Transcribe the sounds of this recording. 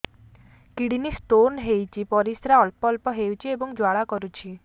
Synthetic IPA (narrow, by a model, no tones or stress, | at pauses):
kiɽinisʈ̪onɦejt͡ʃʰipɔɾisɾaɔlpɔlpɔɦewt͡ʃʰiebɔŋd͡ʒwaɭakɔɾut͡ʃʰi